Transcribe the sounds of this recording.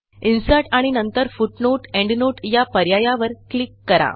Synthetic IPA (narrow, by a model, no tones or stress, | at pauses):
insaʈaɽ̃inənt̪əɾfuʈnoʈɛ̃ɳɖnoʈjapəɾjajaʋəɾklikːəɾa̰